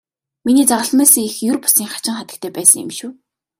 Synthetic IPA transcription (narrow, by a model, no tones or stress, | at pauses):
miniːt͡saʁə̆ɮmæːsə̆ŋixjʊrpʊ̥siːŋχḁt͡ɕɪ̆ŋχat̪ə̆k̚t̪ʰeːpæːsə̆ŋɪ̰mʃuː